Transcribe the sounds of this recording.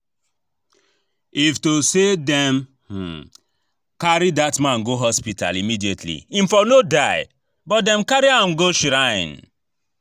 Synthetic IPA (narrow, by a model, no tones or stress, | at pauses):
iftosedɛ̃m | h̩ | kaɾidatmãnɡoɦɔspita̰limidietʰlḭĩmfɔnodaɪ | bɔt̚dɛ̃mkaɾiãmɡoʃɾaɪ̰̃n